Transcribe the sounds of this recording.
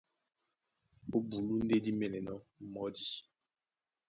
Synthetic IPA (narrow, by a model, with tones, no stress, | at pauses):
o˦bu˨lu˦n̩˦de˦di˦me˨ne˨nɔ˦m̩˦mɔ˦di˦